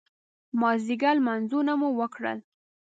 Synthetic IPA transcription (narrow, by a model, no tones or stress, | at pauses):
mɑziɡalmanzunamuwəkɽə̰l